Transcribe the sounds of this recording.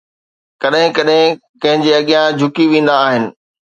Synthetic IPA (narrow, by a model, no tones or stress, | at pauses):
kɐɗɦɪ̃kɐɗɦɪ̃kɐ̃ɦɪ̃ɲd͡ʑeɐɠijãd͡ʑʱʊkiʋẽːn̆d̪aːɦɪnɪ̆